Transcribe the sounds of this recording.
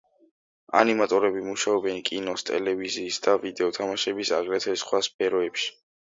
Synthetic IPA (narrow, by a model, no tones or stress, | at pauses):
a̰nimat̪ʼɔɾɛbimuʃaɔbɛnkʼinɔst̪ʼɛ̰lɛviziːsd̪avid̪ɛɔt̪ʰamaʃɛbisaʁɾɛt̪ʰɛsχwasp̚ʰɛɾɔɛpʃi̥